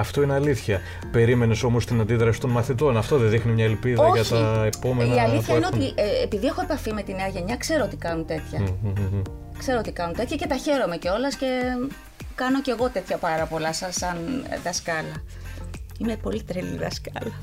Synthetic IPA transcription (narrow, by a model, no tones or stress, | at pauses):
ɐft̪o̞ineɐliθçɐ | pe̞ɾime̞ne̞so̞mo̞st̪inɐnd̪iðɾɐsi̥t̪o̞nmɐθit̪o̞nɐft̪o̞ðeðixnimɲɐelpiðɐoʝɐt̪ɐepo̞menɐiɐliɐineot̪iepiðie̞xo̞epɐfime̞t̪ineɐʝe̞ɲɐkse̞ɾo̞o̞t̪i̥kɐnunt̪e̞t̪çɐ | kse̞ɾo̞ot̪ikɐnunt̪e̞t̪çɐce̞t̪ɐçe̞ɾo̞me̞ceo̞lɐsce̞ | kɐno̞ce̞ɣo̞t̪e̞t̪çɐpɐɾɐpo̞lɐsɐsɐnðɐskɐlɐ | inepolit̪ɾelḭðɐskɐlɐ